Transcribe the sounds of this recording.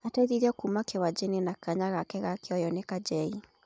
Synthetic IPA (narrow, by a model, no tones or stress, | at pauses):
atɛðiɾiɔkumakewad͡ʒenenakaɲaɣakɛɣakeɔjɔnekad͡ʒɛi